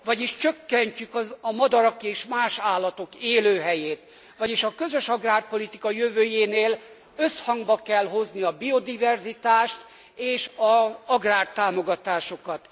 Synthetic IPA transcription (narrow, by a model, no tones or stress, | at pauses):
ʋɒɟiʃt͡ʃøkːɛɲcykɒɒmɒd̪ɒɾɒkeːʃmaːʃaːlːɒt̪o̞keːløːɦɛjeːt̪ | ʋɒɟiʃɒkøzø̞ʃɒɡraːrpo̞lit̪ikɒjøvøːjeːneːl | øshɒŋɡbɒkɛlɦo̞zniɒbio̞d̪ivɛrzit̪aːʃt̪ | eːʃɒɒɡraːrt̪aːmo̞ɡɒt̪aːʃo̞kɒt̪